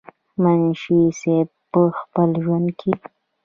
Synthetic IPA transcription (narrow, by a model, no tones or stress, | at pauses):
manʃised̪̚pəxpəlʒwand̪̚kʰi